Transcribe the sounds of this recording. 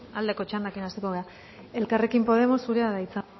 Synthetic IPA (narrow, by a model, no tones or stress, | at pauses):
ald̪e̞ko̞t͡ʃand̪akinast̪eko̞ɣ̞e̞a | e̞lkare̞kimpo̞ð̞e̞mo̞sːuɾeaðait͡sa